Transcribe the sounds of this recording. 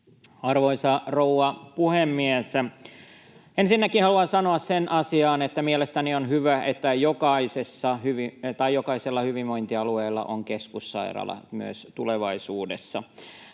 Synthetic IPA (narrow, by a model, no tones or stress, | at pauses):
ɑrʋoisɑrouɑpuhemːiæs | ensinːækihɑluɑnsɑnoɑssenʔɑsiɑːnet̪ːæmielest̪ænionɦyʋæet̪ːæjokɑisesːɑhyʋit̪ɑijjokɑiselːɑhyʋiʋʋo̞jnt̪iɑlueːlːɑ̰ʔoŋkeskusːɑ̰irɑ̰lːɑ̰my̰ø̰st̪uleʋɑisuːdesːɑ